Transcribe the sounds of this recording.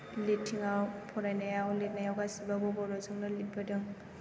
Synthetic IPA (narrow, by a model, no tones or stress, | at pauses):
litʰːiŋawpʰɔɾajnajawlet̚najawɡasibabɔbɔɾɔzɯŋnalit̚badɯŋ